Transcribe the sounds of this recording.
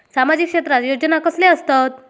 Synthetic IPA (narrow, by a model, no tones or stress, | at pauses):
samad͡ʑikʂet̪ɾat̪jod͡ʑənakəsleəst̪at̪